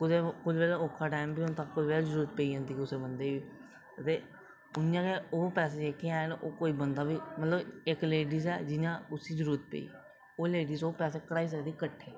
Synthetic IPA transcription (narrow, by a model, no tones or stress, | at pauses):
kʊt̪ekʊd͡ʒʋeːlaoːkʰːaːʈaːɪmbiːʊnt̪aːkʊd͡ʒʋeːlːzəɾuːɾət̪̚peiːãːnd̪iːkʊseːbənd̪eːbiː | t̪eː | ʊnjãːkeoːpɛːseːd͡ʒeːkeaːnʔoːkoːiːbənd̪aːbiːmət̪ləbɪkleːɖiːzɛːd͡ʒɪjãːʊsiːd͡ʒəɾuːɾət̪̚pḛḭː | oːleːɖiːsoːpɛːseːkəɽaːiːs̬əkd̪iːkəʈʰːeː